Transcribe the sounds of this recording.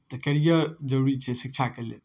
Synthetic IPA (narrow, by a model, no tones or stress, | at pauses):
t̪ɔkɛɾijəɾd͡ʒəɾuɾit͡ʃʰɛsik̚t͡ʃʰakelḛ